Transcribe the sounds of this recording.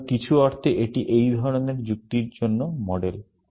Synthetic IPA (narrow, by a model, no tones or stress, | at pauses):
kit͡ɕʰuɔɾt̪ʰeʔeʈiʔejd̪ʱɔɾoneɾd͡ʑuk̚t̪iɾd͡ʑonːomɔɖel